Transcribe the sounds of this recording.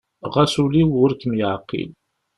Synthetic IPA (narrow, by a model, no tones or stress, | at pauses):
ʁæsuliwʊɾkəmjəʕqːḭl